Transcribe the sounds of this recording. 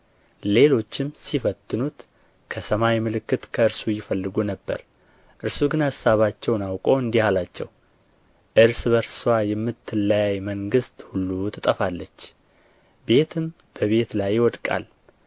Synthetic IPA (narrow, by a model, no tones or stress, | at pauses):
le̞lo̞t͡ʃːɪmsifət̪ːɨnut̪ | kʰəsəmajmɨlɨkːɨt̪kʰəɨɾsujɪfəlːɨɡunəbːə̰ɾ | ʔɨɾsuɡɨnhasːaβat͡ʃːɛwnawkʼo̞ɨnd̪ihalat͡ʃːɛ̰w | ʔɨɾsbəɾsɨwajɛmːɨt̪ːɨlːajajməŋɡɨst̪hulːut̪ʰɨt̪ʼəfalːət͡ʃː | be̞t̪ʰɨm | b̥əβe̞t̪lajːɪwɔd̪kʼa̰l